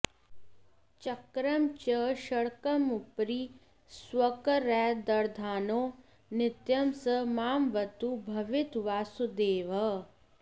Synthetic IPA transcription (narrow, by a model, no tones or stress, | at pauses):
t͡ʃɐkɾɐmt͡ʃɐʃɐɽkɐmupɾiː | swɐkɾɛːd̪ɐɾd̪ʱaːnoː | nɪt̪jɐmsɐmaːmʋɐt̪ubʱɐʋɪt̪ʋaːsud̪eːʋɐ